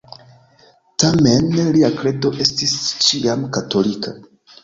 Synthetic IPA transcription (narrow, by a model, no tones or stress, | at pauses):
tamenliakɾe̞to̞ʔe̞stist͡ʃiamkato̞likʰa